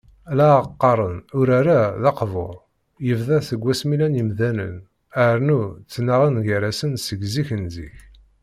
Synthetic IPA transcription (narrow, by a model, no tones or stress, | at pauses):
læqːɑɾˤənʊɾaɾaðɑqvo̰ɾˤ | jəvðæθəɡʷːæsmilænjəmðænə̰n | əɾnut͡sːnaʁinʝəɾæsənsəɡziçənzḭç